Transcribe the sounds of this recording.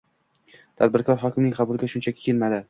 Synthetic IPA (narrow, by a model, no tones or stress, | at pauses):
t̪ʰad̪̚bɪɾkʰɒɾɦɒkʲɪmnɪŋqʰɑbʊlˠɪɡʲaʃʊnt͡ʃʰakʲɪ̥kʲʰelmad̪ɪ